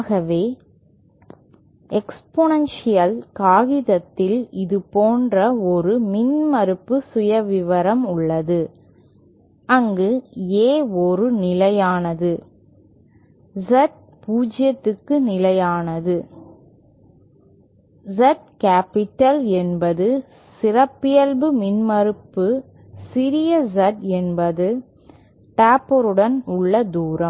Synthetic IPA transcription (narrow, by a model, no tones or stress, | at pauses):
aːɣɐʋeː | ʔɛksponɐnsɪjɐlkaːɣɪðɐt̪ːɪlɪðɯpoːndrɐɔɾɯmɪnmɐɾɯpːɯsʊjɐʋɪʋɐɾɐmʊɭːɐðɯ | ɐŋɡɯeːɔɾɯnɪlɐjaːnɐðɯ | zɛʈ̚ | puːd͡ʒɪjɐt̪ːɯkːɯnɪlɐjaːnɐðɯ | zɛʈ̚kaːpɪʈːɐlɛnbɐðɯ | sɪɾɐpːɪjɐlbɯmɪnmɐɾɯpːɯ | sɪɾɪjɐzɐʈɛnbɐðɯ | ʈaːpɔɾɯɽɐnʊɭːɐd̪uːɾɐm